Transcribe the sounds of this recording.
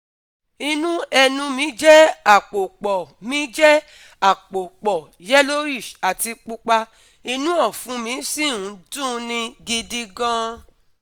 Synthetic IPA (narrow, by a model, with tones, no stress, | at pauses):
i˧nũ˦ɛ˧nũ˧mĩ˨˦d͡ʒɛ˦a˦˨k͡po˨k͡pɔ˨mĩ˨˦d͡ʒɛ˦ | a˦˨k͡po˨k͡pɔ˨ | d͡ʒɛ˦lo˦i˦˨ʃa˨ti˧k͡pu˧k͡pa˧ | i˧nũ˦ɔ˦˨fũ˨˧˦mĩ˨˦si˦˨ũ˨˦dũ˦nĩ˧ɡi˧di˧ɡã˦